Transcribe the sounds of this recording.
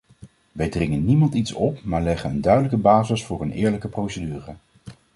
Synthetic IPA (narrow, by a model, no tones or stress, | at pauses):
ʋɛjdrɪŋənːimɑntitsɔpmaːɹlɛχənəndœɥdələkəbaːzəsfʊːɹənɪːɹləkəprowsədyːrə